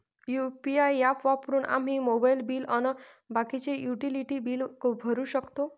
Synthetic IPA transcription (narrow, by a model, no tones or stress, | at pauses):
jupiajapʋapɾuːnʔa̰m̤imobajlbiːlənə | bakit͡ɕejuʈiliʈibiːlkbʱəɾuɕəkt̪o